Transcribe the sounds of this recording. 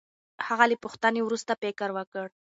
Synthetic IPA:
haɣalepuxt̪anewɾust̪apekəɾwəkəɽ

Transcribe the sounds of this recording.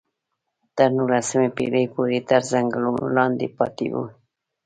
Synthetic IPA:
t̪əɾnulasəmepḛləjpoɾet̪əɾzaŋɡluno̰lɑnd̪ḛpɑ̰t̪ḛwṵ

